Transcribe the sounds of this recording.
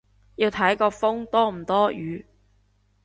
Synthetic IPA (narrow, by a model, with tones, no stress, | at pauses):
ji˧wt̪ʰɐ˨˥jkɔː˧fʊ˥ŋt̪ɔː˥m̩˨˩t̪ɔː˥jyː˨˧